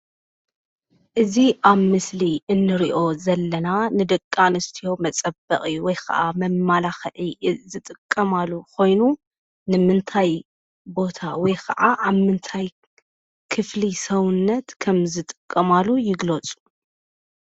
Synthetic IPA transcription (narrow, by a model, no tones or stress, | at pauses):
ʔɨziʔaβmɨsliʔɨnːɨɾiʔo̞zɐlːɐnanɨd̪ɨkʼːanɨst̪ʰijo̞mɐt͡sʼɐbɐχʼɨjːuwɔjkʰɐ̰ʔamɐmːalaxɨʕizɨt̪ʼɨkʼːɐmalːukʰo̞jnu | nɨmɨnt̪ʰaj | bo̞t̪ʰawɔjkʰɐ̰ʔaʔaβmɨnt̪ʰaj | kʰɨflisɐwʊnːɐt̪kʰɐmzɨt̪ʼɨ̥kʼːɐmalːujɪɡlɐt͡sʼu̥